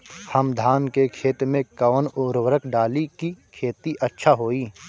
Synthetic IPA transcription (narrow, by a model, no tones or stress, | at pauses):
hɐmd̪ʱaːnkekʰeːt̪ɾmẽkɐʋənʊɾwəɾəkɖaːlikikʰeːt̪iʔɐtːʃʰaɦoːiː